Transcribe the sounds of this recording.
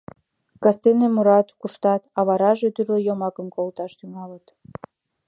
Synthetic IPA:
kɑst̪enemuɾɑt̪kuʃt̪ɑt̪ɑβɑɾɑʒe̽t̪yrlejomɑkəmkolt̪ɑʃt̪yŋɑlət̪

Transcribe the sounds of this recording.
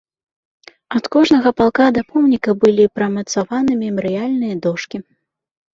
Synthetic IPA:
ɐt̪kɔʐnɐɣɐpalˠkad̪ɐpɔwnʲikɐbɨlʲipɾɐmɐt̪savanɨmʲɛmɐɾɨjalʲnɨjɐd̪ɔʂkʲi

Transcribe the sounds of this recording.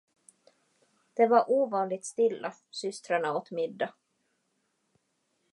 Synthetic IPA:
d̪̥ɛvaɾʔuːvɑːnlɪɡ̚t̪st̪ɪlːasʏst̪ɾaɳaot̪mɪd̪ːa

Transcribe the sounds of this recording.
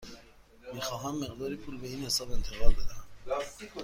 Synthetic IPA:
mixɒːɦæmːeɣd̪ɒːɾipʰuːlbeiːnhesɒːbe̞nt̪ʰeɣɒːlbed̪æ

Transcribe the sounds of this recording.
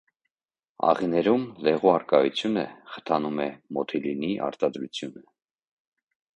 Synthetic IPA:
ɑ̰ʁinɛɾumlɛʁuɑɾkɑjut͡sʰjunəχə̥t̪ʰɑnumɛmɔt̪ʰiliniʔɑ̰ɾt̪ɑd̪ɾut͡sʰjunə

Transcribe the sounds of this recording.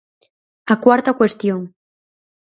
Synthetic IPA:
akwaɾt̪akwe̞st̪joŋ

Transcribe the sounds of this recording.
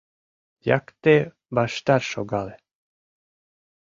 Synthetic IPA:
ja̰kt̪e | baʃt̪aɾʃoɡale

